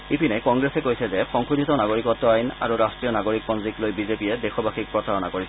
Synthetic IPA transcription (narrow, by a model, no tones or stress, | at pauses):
ipʰinɛkɔŋɡɹesɛkojsɛzɛxɔŋkudʱitɔnaɡoɹikɔtːɔajna̰ɹuɹastɹijɔnaɡoɹik̚pɔnziklojbizepiɛdexɔbaxik̚pɹɔsaɹɔnakoɹisɛ